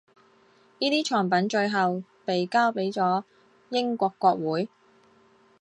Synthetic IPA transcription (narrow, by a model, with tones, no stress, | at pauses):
niː˥t̪iː˥t͡ʃʰɔː˨˩ŋpɐ˨˥nt͡ʃɵ˧ɥɦɐ˨w | pe˨jkaː˥wpe˨˥jt͡sɔː˨˥ | jɪ˥ŋkʷɔː˧kːɔː˧k̚wuː˨˥j